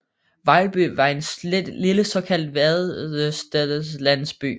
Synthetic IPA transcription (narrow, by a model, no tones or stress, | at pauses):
ʋɑ̈ɪb̥y̰ːʋɑ̈e̝nliləsɒ̽kʰæl̰d̥ʋæðˠsd̥ɛðˠslæn̰sb̥y̰ː